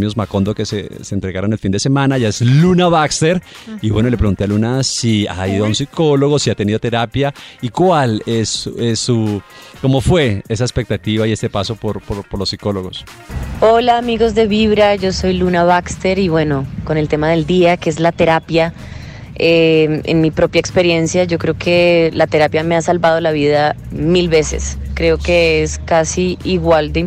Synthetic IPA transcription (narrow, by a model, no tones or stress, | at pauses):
miozmako̞nd̪okesḛseːnt̪ɾe̞ɣaɾonelfind̪e̞semãnaʝaezlunaβakst̪eɾ | iβwe̞nolepɾe̞ɣunt̪e̞alunasia̰iðoaunsiko̞lo̞ɣosiat̪e̞niðo̞t̪e̞ɾapjaikwalesesuko̞mo̞fwe̞es̬aespek̚t̪at̪iβaie̞st̪e̞paso̞poɾpoɾpoɾlosːiko̞lo̞ɣo̞s | o̞laːmiɣo̞zd̪e̞βiβɾad͡ʒo̞so̞jlunaβakst̪e̞ɾiβwe̞no̞ko̞ne̞lt̪e̞maðe̞ld̪iakeezlat̪e̞ɾapja | eḛnmipɾo̞pjaekspe̞ɾje̞nsjad͡ʒo̞kɾe̞okʰe̞lat̪e̞ɾapjameasalbað̞o̞laβiðamilβe̞se̞̰skɾeo̞ke̞eskasiiɣwald̪e